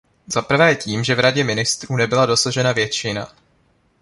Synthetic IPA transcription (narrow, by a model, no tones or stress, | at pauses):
zapr̩vɛːciːmʒɛvɾaɟɛmɪnɪst̪ɾuːnɛbɪlado̞saʒɛnavjɛt͡ʃɪna̰